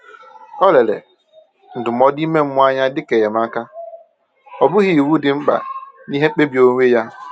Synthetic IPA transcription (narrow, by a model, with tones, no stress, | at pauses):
ɔ˦le˨lḛ˨ | n̩˨dʊ˨m̩˦ɔ˦di˦me˦m̩˦mʊ˦a˦ɲa˦dɪ˦ke˨je˨m˦a˦ka˦ | ɔ˨bʊ˦ɣi˨i˨wu˦dɪ˨ŋ͡m̩˦k͡pa̰˨ni˦ɦe˦k͡pe˦bi˨˦o˦ŋʷe˦ja˦